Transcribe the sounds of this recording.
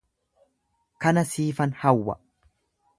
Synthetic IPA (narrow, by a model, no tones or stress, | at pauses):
kɐnɐsiːfɐnhɐwːɐ̰